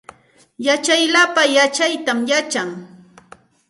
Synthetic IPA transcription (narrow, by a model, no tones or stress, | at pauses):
jat͡ʃajlapajat͡ʃajt̪amjat͡ʃaŋ